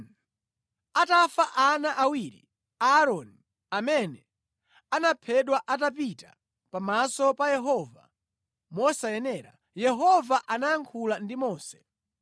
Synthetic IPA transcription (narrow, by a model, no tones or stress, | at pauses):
atafaʔanaʔawiɾḭ | aɾɔni | amɛnɛ | anapʰɛɗwaʔatapita | pamasɔpajɛɦɔva | mɔsajɛnɛɾa̰ | jɛɦɔvaʔanajaŋkʰulandimɔːsɛ̥